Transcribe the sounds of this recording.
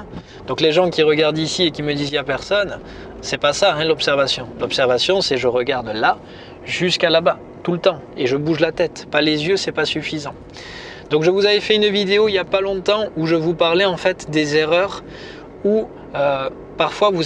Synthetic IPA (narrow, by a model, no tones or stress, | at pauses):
d̪ɔ̃kleʒɑ̃kʲiʁəɡaʁd̪isiekʲiməd̪izɛapɛʁsɔn | sɛpasaɛ̃lɔpsɛʁvasjɔ̃lɔpsɛʁvasjɔ̃sɛʒəʁəɡaʁd̪la | ʒyskalaba | t̪ulət̪ɑ̃ | eʒəbuʒlat̪ɛt̪palezjøsɛpasyfizɑ̃ | d̪ɔ̃kʒəvuzavɛfɛynvid̪eoiljapalɔ̃t̪ɑ̃uʒəvupaʁlɛɑ̃fɛt̪d̪ezeʁœʁ | u | ø | paʁfwavu